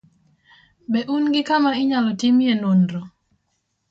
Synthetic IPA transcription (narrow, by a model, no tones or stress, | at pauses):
bɛʔunɡɪkamaɪɲalɔtimjenondɾɔ